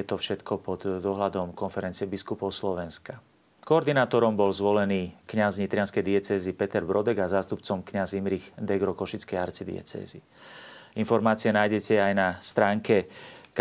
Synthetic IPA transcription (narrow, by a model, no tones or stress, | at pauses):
t̪ɔfʃɛt̪kɔpɔd̪ːɔɦlad̪ɔmkɔnfɛɾɛnt͡siɛbiskupɔʊslɔʋɛnska | kɔːɾd̪inaːt̪ɔɾɔmbɔlzʋɔlɛniːkɲazɲit̪ɾɪanskɛjd̪iɛt͡sɛːzipɛt̪ɛɾbɾɔd̪ɛɡazaːst̪upt͡sɔmkɲazimɾiɣd̪ɛɡɾɔkɔʃit͡skɛjaɾt͡sid̪ḭɛ̰t͡sɛ̰ːzi | infɔɾmaːt͡siɪɛnaːjɟɛcɛajnast̪ɾaːŋkɛk